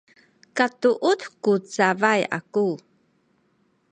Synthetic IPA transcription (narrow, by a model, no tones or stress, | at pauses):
katuʔutkut͡savaja̰ku